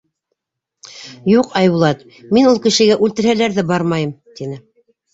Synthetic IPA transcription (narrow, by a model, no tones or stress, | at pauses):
juqɑjbulˠɑt̪ | minulˠkɘ̆ʃɘ̆ɡæʔʉlt̪ɘ̆ɾhælæɾðɘbɑɾmɑjɤmt̪inɘ